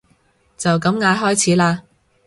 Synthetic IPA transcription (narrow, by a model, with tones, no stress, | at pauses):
t͡sɐ˨wkɐ˨˥mŋaː˨˥jɦɔː˥jt͡sʰiː˨˥laː˧